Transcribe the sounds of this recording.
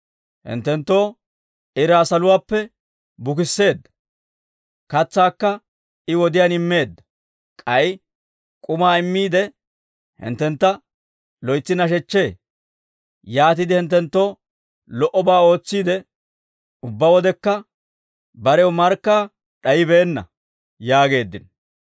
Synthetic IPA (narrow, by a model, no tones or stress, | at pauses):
hɪ̰nt̪ːɛnt̪ːo̞ː | ɪɾaːsɐlʊwaːpːɛ | bʊkɪsːe̞ːd̪ːɐ̥ | kɐt͡sːaːkːɐ | ɪwɔd̪ɪjaːnɪmːe̞ːd̪ːɐ̥ | kʼɐj | kʼʊmaːɪmːiːd̪ɛ | hɪ̰nt̪ːɛnt̪ːɐ | lɔjt͡sːɪnɐʃ̬ɛt͡ʃːe̞ː | jaːt̪ɪd̪ɪhɪnt̪ːɛnt̪ːo̞ː | lɔʔɔbaːo̞ːt͡sːiːd̪ɛ | ʊbːɐwɔd̪ɛkːɐ | bɐɾɛwʊmɐɾkːaː | ɗɐjɪbe̞ːnːɐ̰ | jaːɡe̞ːd̪ːɪn